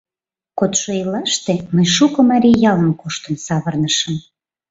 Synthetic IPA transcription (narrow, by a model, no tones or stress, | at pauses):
kot̪ʃoilɑʃt̪eməjʃukɤmɑɾʲijɑləmkoʃt̪əmsɑβərnəʃəm